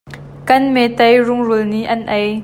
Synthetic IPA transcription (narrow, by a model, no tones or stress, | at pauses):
kɐnmɛt̪ɐjrʊŋrulniʔɐnʔɐj